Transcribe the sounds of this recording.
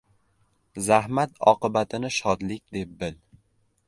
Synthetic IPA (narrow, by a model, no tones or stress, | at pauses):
zahmat̪ɒ̰qɨbat̪ʰɪnɪʃɒd̪lɪkʲd̪e̞p̚bɪl